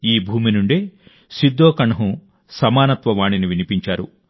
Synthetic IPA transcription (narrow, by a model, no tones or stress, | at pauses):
iːbʱuːminuɳɖeː | sid̪ːoːkɐɳɐɦu | sɐmaːnɐt̪ʋɐʋaːɳiniʋinipiɲt͡ʃaːɾṵ